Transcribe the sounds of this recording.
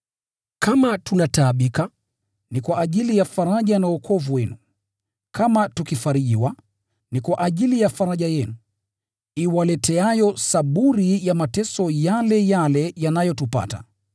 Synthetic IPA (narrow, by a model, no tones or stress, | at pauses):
kamatunataːɓika | nikwaʔːʄilijafaɾaʄanaukʰɔvuwɛnu | kʰamatukifaɾiʄiwa | nikwaʔaʄilijafaɾaʄajɛnu | iwalɛtɛajɔsaɓuɾijamatɛsɔjalɛjalɛjanajɔtupa̰ta̰